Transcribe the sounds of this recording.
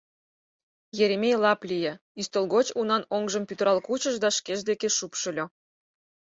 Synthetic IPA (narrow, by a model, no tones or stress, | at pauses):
jeɾʲemʲejlɑplʲije | yst̪əlɣot͡ɕunɑnoŋʒəmpʲyt̪əɾɑlkut͡ɕəʒd̪ɑʃkeʒd̪ekeʃupʃə̆lʲo